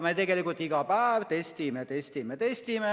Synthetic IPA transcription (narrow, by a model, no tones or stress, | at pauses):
met̪eɡelikult̪ːˑiɡɑpæːʋt̪est̪imet̪est̪imːet̪est̪ime